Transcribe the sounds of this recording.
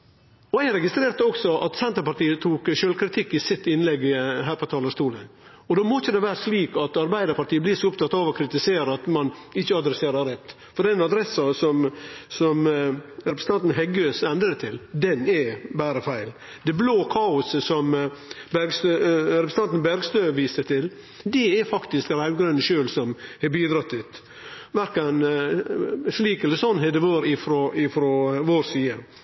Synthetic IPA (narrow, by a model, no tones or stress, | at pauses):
ɔæɪɾɛɡɪst̪ɾeːɾt̪əɔksɔʔɑt̪sɛnt̪əɾpɑɾʈ̪iːət̪ʰuːkʃøːlkʰɾɪt̪ʰɪkːɪsɪt̪ːɪnlɛɡɦæːɾpʰɔt̪ʰɑːləst̪uːlə | ɔd̪oːmɔt͡ʃːəd̪ɛʋæːɾəʂliːkɑt̪ɑɾbæɪd̪əɾpɑɾʈ̪ʰiːəbliːɾsɔʊpt̪ʰɑt̪ːɑːʋɔkʰɾɪt̪ɪseːɾəɑt̪mɑnɪçːəɑd̪ɾɛseːɾɑɾɛt̪ː | fɔɾd̪ɛnɑd̪ɾɛsːɑsɔmsɔmɾɛpɾəsn̩ɑnt̪n̩ɦɛɡøːsɛnd̪ɾəət̪ʰɪld̪ɛnɛbæːɾəfæɪl | d̪ɛbloːkʰɑːʊsəsɔmbæɾɡst̪øɾɛpɾs̩ɑnt̪n̩bæɾɡst̪øːʋiːst̪ət̪ʰɪl | d̪ɛɛɾfɑkt̪ɪsk̚d̪læɪɡɾʉnːəʃøːlsɔmhɛbiːd̪ɾɑt̪ːɪt̪ | ʋæɾkɑn | ʂliːkɛlːəɾsɔnːhɛd̪ɛʋoːɾɪfɾoɪfɾoʋoɾsiːə